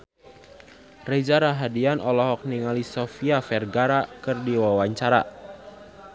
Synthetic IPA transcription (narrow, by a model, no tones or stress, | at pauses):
red͡ʒaɾaɦadianʔɔlɔɦɔk̚niŋalisɔfiafɛrɡaɾakɨrdiwawaɲt͡ʃaɾa̰